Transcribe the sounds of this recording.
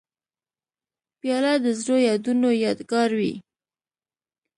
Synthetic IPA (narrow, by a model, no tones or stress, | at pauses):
pjɑlad̪əzɾojɑd̪unojɑd̪ɡɑɾwḭ